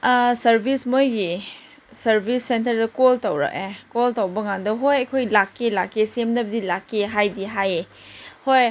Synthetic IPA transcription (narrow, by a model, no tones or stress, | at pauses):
sɐɾbʱismojɡi | sɐɾbʱisːentɐɾdɐkoltɐwɾɐ̰k̚ekoltɐwbɐŋandɐɦojɐjkʰojlakːilakːisemnɐbɐdilakːiɦajdiɦaje | hoj